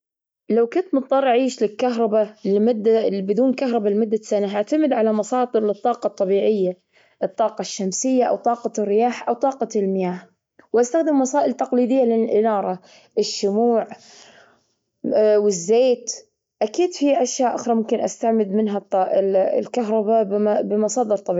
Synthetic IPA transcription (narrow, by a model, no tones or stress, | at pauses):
lawkʊnt̪mɨt̪̚ˤd̪ˤɑrˤːʔaʕiːʃlɪlkaɦɾˤɑbalmʊd̪ːabɪd̪uːnkaɦɾˤɑbalɪmʊd̪ːasanaɦaʕt̪amɪd̪ʕalamɑsɑːd̪ˤɨɾlɨt̪ˤːɑːqɑt̪ˤːɑbiːʕɪjːa | ʔɨt̪ˤːɑːqɑʃːamsɪjːaʔa̰wt̪ˤɑːqɑrːɪjaːħʔawt̪ˤːɑːqɑlmɪjaːh | wʔast̪axd̪ɪmːɑsaːʔɪlt̪ɑqliːd̪ɪjːalɪnlʔɪnɑːɾˤɑ | ʔɪʃːʊmuːʕ | wɪzːeːt̪ | ʔakiːd̪fiʔaʃjaːʔʊxɾˤɑmʊmkɪnʔast̪aʕmɪd̪mɪnɦat̪ˤːɑlkaɦɾˤɑbabbɪmɑsˤɑːd̪ɨɾt̪ˤːɑbi